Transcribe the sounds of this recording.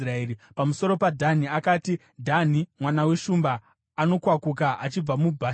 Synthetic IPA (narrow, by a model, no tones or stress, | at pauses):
raeːɾipamuso̞ɾo̞padʱaniakaːti | dʱanimwanawe̞ʃumbaː | no̞kwakuk̬aʔat͡ʃib͡vamubʱaː